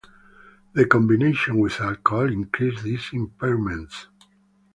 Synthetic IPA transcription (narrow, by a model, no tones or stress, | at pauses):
ðəkɔ̃mbineʃɔ̃nwisalkɔlĩŋkɾisðisĩmpɛɹmɛ̃nts